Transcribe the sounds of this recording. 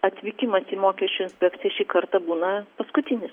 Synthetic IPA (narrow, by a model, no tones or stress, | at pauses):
ɐt̪ʲʋʲiːkʲɪmɐsiːmoːkʲɛʃʲt͡ʃʲʊɪnʲssʲpʲɛkt̪sʲɪjɛʃʲiːkɐɾt̪ɐbuːnɐpɐskʊt̪ʲɪnʲɪs